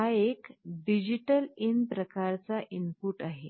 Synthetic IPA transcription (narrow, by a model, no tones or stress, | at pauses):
ɦaekɖid͡ʑiʈəlinpɾəkaɾt͡saʔimpuːʈaɦe